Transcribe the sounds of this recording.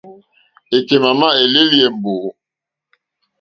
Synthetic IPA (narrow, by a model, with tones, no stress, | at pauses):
e˨ke˨ma˨ma˦e˨le˦li˦˨e˨m̩˨bo˨